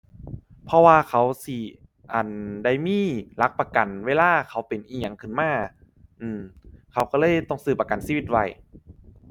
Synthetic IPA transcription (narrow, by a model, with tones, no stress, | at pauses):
pʰɔ˧waː˧kʰa˨˦˥wsi˧˩ | ʔa˨˩nda˧˩jmiː˧˥˨la˦˥k̚pa˧ka˨˩nweː˧˨laː˧˥˩kʰa˦˥wpe˨˩nʔiː˧˩ŋɲa˧˩˦ŋkʰɯ˧˩nmaː˧˥˩ | ʔɯː˧˩mkʰa˧˦˥wkɔ˧˩lɤː˧˥˨jt̪ɔ˧˩ŋsɯː˧˩p̚ːa˧ka˨nsiː˧˨i˧t̪̚wa˧˩j